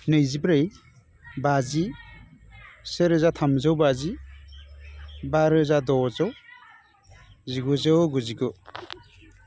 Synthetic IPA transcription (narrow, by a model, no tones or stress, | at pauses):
nɯjzibɾej | bazi | seɾɯzat̪ʰamzawbazi | baɾɯzadɔzɔw | ziɡuzawɡuziɡɔ